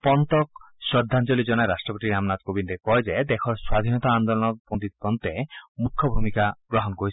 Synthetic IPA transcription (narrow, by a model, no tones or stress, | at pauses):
pɔnt̪ɔk̚ | ʃɔd̪ʱːant͡ɕolid͡ʑɔnaeɾaʃʈɾɔpot̪iɾamnat̪kobind̪ekɔed͡ʑed̪ɛkʰɔɾswad̪ʱinɔt̪aand̪olɔnɔk̚pond̪it̪̚pɔnt̪emukʰːobʱumikaɡɾɔɦɔnkoɾit͡ɕʰ